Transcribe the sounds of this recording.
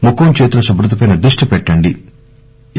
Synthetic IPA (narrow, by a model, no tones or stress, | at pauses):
mukːomt͡ʃeːt̪ulɐʃɐbɾɐt̪ɐpɐjnɐd̪ɾuʂʈipɛʈːɐɳɖi